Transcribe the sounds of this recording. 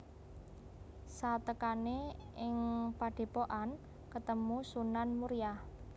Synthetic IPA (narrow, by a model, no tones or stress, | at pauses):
sat̪əkaneʔɪŋpaɖ̥e̤poʔan | kət̪əmusunanmuɾija